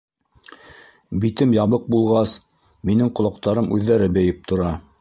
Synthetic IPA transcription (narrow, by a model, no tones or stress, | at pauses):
bit̪ɘmjɑβɤq̚bulˠʁɑs | minɘŋqŏlˠɑq̚t̪ɑɾɤmʔʉðːæɾɘbɘ̆jɘp̚t̪ʰŏɾɑ